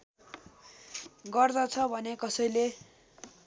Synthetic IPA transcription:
ɡʌrd̪ʌt͡sʰʌbʱʌnekʌsʌjle

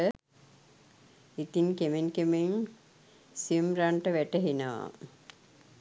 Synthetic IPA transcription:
ə | it̪iŋkemeŋkemeŋ | siəmɾaɳʈəʋæʈəɦinəʋa̰

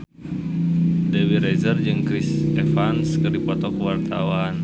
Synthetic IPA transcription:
dewiɾɛzərd͡ʒɨŋkɾisɛfanskɨrdipɔt̪ɔkəwart̪awan

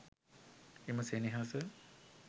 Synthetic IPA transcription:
eməseniɦaːsə

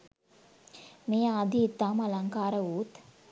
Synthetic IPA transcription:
mejaːd̪it̪ːaːmalaŋkaːɾəuːt̪

